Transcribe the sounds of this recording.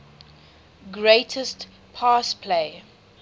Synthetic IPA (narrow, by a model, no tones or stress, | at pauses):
ɡɹeɪtʰəst | pʰaːspʰleɪ